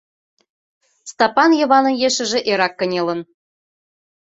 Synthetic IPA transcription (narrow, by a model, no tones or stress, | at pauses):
st̪ɑpɑnjɤ̆βɑnɤ̆njeʃɘ̆ʒĕʔeɾɑkːə̆nʲelə̆n